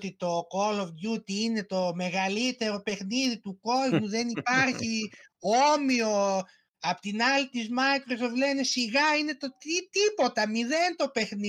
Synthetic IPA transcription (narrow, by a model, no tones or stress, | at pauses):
t̪it̪o̞ko̞lovʝut̪iine̞t̪o̞me̞ɣɐlit̪e̞ɾo̞pe̞xniðit̪uko̞zmuðe̞nipɐɾçiomio̞ | ɐpot̪inɐlit̪izmɐjkɾo̞soft̪le̞ne̞siɣɐine̞t̪ot̪it̪ipo̞t̪ɐmiðe̞nt̪o̞pe̞xni